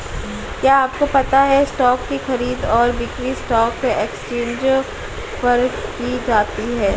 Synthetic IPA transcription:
kjaːaːp̚kopɐt̪aɦɛsʈɔːkːixɐɾiːd̪ɔːɾʋɪkʋisʈɔːkːeːkst͡ʃẽːɲd͡ʒ | pɐɾkid͡ʒaːt̪iɦɛː

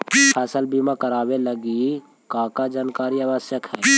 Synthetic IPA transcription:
pʰɛːsəlbimãkəɾaːweləɡi | kaːkad͡ʒaːnkaːɾiaːʋəsjəkɦɛː

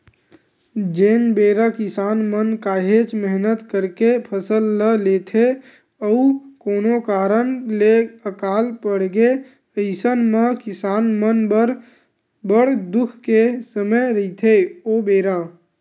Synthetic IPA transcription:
d͡ʒenbeɾakisanmənkaɦet͡ʃməɦnət̪kəɾkepʰəsəlːəlet̪ʰe | əukonokaɾənleəkalpəɽɡe | əɪsənmekisanmənbəɾ | bəɽ̤d̪ukʰkesəməjɾəɪt̪ʰeobeɾa

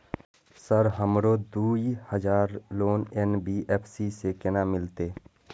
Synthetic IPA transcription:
səɾɦəmɾoːd̪uːihəd͡ʒaːɾloːnɛnbiːʔɛːpʰsisekɪnamɪlt̪eː

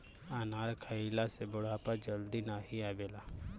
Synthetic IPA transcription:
anaːɾkʰailasebʊɽ̤aːpad͡ʒəld̪inaɦiaːʋeːlaː

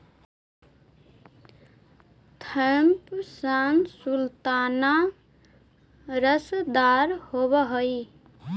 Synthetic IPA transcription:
t̪ʰəmpsansult̪ana | ɾəsd̪aɾhobəɦoj

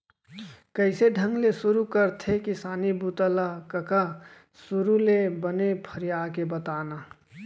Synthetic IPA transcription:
kəɪseɖʱə̃ŋɡlesʊɾukəɾt̪ʰekɪsaːnibut̪əlakəka | sʊɾulebənepʰəɾijaːkebət̪aːna

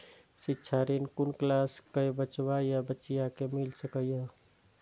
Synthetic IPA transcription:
sɪtːʃʰaɾenkʊnklaskebət͡ʃwajabətːt͡ʃijakemɪlsəkəja

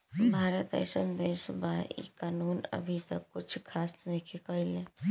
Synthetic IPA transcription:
bʱaːɾət̪̚d̪ə̰ɾsənd̪eːsbaḭkaːnuːnə̰bʱit̪əkːʊt͡ʃʰkʰaːsnəɦikekəɦile

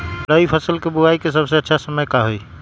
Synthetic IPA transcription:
pɾəipʰəsəlkebuaikesəbseətːʃʰasəməjkaɦoj

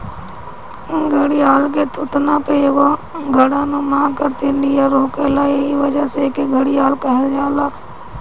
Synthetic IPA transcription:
ɡʱəɽiaːlk̬et̪ʰʊt̪nãpejeɡoɡʱəɽanomãːkəɾt̪inijaɾoːkelaːeɦiʋəd͡ʒasekeɡʱəɽiaːlkəɦeld͡ʒaːlaː

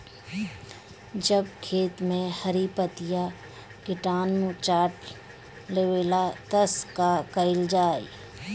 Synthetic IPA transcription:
d͡ʒɐb̚kʰeːt̪mẽhɐɾipət̪ɪja | kɪʈaːnũt͡ʃaːʈ | leːweːlat̪əskakəɪld͡ʒaːḭ

